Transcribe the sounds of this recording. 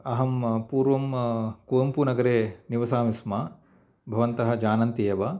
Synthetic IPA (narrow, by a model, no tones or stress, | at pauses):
ɐɦɐmpuːɾʋɐmkuːɐmpunɐɡɐɾeːniʋɐsaːmismɐ | bʱɐʋɐnt̪ɐɦɐd͡ʒaːnɐnt̪ijɐʋɐ